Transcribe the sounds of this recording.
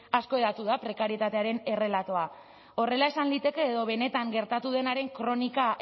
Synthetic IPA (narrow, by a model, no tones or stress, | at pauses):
asko̞eðat̪uðapɾe̞kaɾie̞t̪at̪e̞aɾe̞ne̞re̞lat̪o̞a | o̞re̞laesanlit̪e̞ke̞ːðo̞βe̞ne̞t̪aŋɡe̞ɾt̪at̪uð̞e̞naɾe̞ŋkɾo̞nika